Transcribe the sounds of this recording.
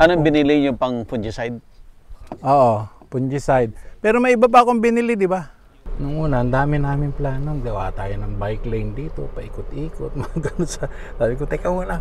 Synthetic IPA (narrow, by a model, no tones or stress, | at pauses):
ʔɐnoŋbɪnɪlɪjʊŋpɐŋpʊnd͡ʒɪsajd̪̚ | ʔoːʔopʊnd͡ʒɪsajd̪̚pɛːɾomɐʔɪbap̬aakoŋbɪnɪlɪd̪ɪba | nʊŋʔuːnɐhɐnd̪aːmɪnaːmɪŋplaːnoŋɡ̪ɐwa̰ːʔt̪aːjonɐŋbajklɐɪnd̪iːt̪opɐʔɪkʊt̪ʔiːkot̪̚mɐɡɐnosɐ | tabɪkʊt̪ɛkɐwana